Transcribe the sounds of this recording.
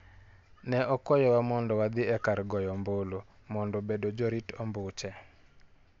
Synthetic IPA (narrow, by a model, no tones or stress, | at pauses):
nɛʔɔkɔjɔwamɔndɔwad̪ɪɛkaɾɡɔjɔmbolo | mɔndɔbedod͡ʒɔɾitɔmbʊt͡ʃɛ